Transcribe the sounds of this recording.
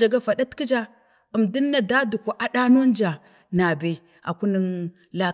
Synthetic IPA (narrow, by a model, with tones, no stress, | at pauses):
a˨ɡa˦fa˨ɗa˦tki˦d͡ʒa˦ | ə˨mdə˦nːa˨da˦du˨ka˨ʔa˨ɗa˦no˦n˦d͡ʒa˨ | na˨be˨˦ | a̰˨ku˦nə˦n | la˦